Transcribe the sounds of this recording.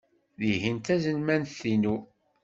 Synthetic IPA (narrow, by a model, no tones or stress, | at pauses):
ðiɦint̪æzənmænθinu